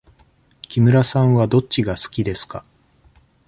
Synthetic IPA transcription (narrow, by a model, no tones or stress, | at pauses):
kʲimɯ̟ɾasãɰ̃βad̪o̞t͡ɕːiɡasɨ̥kʲid̪e̞sɨ̥ka